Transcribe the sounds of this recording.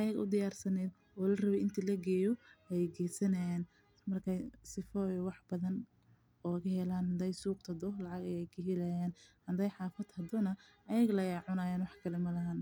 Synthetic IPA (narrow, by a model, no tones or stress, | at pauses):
ʔɐjɐɣʔʊ̰d̪ɪjaːrsɐnɛːd̪ | ɔːlɐrɐβɛɪnt̪ʰilɐɡɛːjɔɛjɛjɡɛːsɐnɐjaːn | mɐrkʰɐsɪfɔjɔwɑħbɐðɐn | ɔːkɐhɛlaːnhɐnd̪ɛjsuːqt̪ʰɐd̪ɔlɑʕɑɡɐjɛjkʰɐɦɪlɐjaːnhɐnd̪ɛjħɑːfɐd̪hɐd̪ɔnɐ | ʔɐjɐɣlɐjɛʕʊnaːjaːnwɑħkʰɐlɛmɐlɐɦaːn